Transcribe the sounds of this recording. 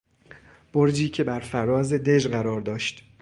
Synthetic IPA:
b̥o̞ɾd͡ʒiːcʰe̞bæɾfæɾɒːze̞d̪e̞d͡ʒɢæɾɒːɾd̪ɒːʃt̪

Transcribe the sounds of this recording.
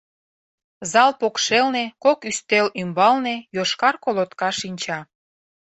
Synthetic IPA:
zɑlpokʃelnekokyst̪elymbɑlnejoʃkɑrkolot̪kɑʃinʲt͡ɕɑ

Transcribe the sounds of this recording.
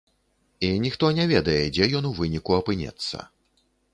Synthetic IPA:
inʲixt̪ɔnʲɛvʲɛd̪ɐjɛd͡zʲɛjɔnuvɨnʲikuɐpɨnʲɛ̰t̪sːɐ̰

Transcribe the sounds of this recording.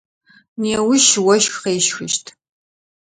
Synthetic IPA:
neːwʊʃwɐʃxqeːʃxʊ̰ʃtʰ

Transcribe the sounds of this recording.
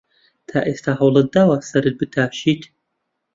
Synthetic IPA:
tʰaʔestʰaħawlˠɐd̪awasɐɾɨd̚bɨtʰaːʃitʰ

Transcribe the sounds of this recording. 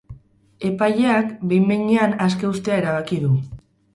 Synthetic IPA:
e̞paʎe̞akbe̞jmmeɲeanaske̞ust̪e̞ae̞ɾaβ̞akiðu

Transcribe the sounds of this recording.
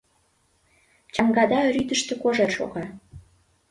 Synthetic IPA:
t͡ɕɑŋɡɑd̪ɑɾyd̪ə̆ʃt̪ĕkoʒerʃo̰ɣɑ

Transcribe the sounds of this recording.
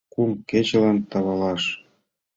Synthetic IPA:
kumket͡ɕelɑnt̪ɑβɑlɑʃ

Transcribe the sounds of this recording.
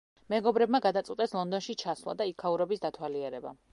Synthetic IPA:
mɛɡɔbɾɛbmaɡad̪at̪sʼit̪ʼɛslˠɔnd̪ɔnʃit͡ʃʰasvlˠa̰d̪aikʰːauɾɛbisd̪at̪ʰwaliɛɾɛba̰

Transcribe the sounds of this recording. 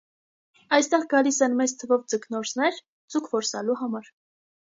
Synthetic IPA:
ɑjst̪ɛʁɡɑlisɛnmɛt͡st̪ʰəvɔvd͡zəknɔɾt͡sʰnɛɾ | d͡zukʰvɔɾsɑluɦɑmɑɾ

